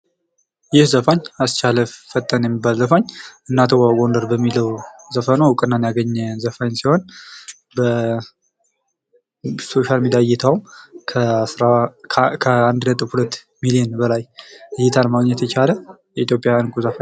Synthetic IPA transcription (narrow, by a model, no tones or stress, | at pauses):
jɪhzəfaɲast͡ʃaləfət̪ʼːənjɛmːibːalzəfaɲʔɨnːat̪ʰəwaɡo̞nd̪əɾbəmːiləwzəfənowkʼɨnːanjaɡəɲːzəfaɲsiho̞n | bə | so̞ʃalmid̪ajɛt̪ʰawʰ | ɾakʰəand̪lət̪ʼɨfhulət̪ː | milijɛnbəlajjɛt̪ʰalmaɡɲːɛt̪ʰət͡ʃalə | jɛit̪jo̞pʼjawjankʼuzəfa